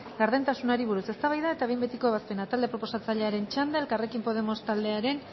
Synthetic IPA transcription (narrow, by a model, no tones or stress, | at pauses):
ɡaɾðent̪asunaɾiβ̞uɾuse̞st̪aβajðae̞t̪aβe̞jmbet̪iko̞eβaspe̞nat̪ald̪e̞pɾo̞po̞sat͡saʎe̞aɾe̞nt͡ʃand̪aelkare̞kimpo̞ð̞e̞mo̞st̪ald̪e̞aɾe̞n